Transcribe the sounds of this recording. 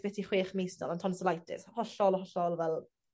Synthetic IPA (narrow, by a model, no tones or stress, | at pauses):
b̥ɛtʰiχweːχmejsnɔ̰lˠantʰɔnsəlajtʰɪ̰shɔɬɔlɔhɔɬɔlˠvɛlˠ